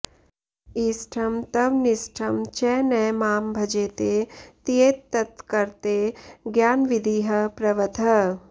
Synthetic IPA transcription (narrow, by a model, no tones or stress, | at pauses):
isʈʰɐmt̪ɐʋnɪsʈʰɐmt͡ʃɛːnɛːmaːmbʱɐd͡ʒeːt̪eːt̪ieːt̪ːɐt̪kɐɾt̪eɡjaːnʋɪd̪ʱiːɦɐpɾɐʋɐt̪ɐ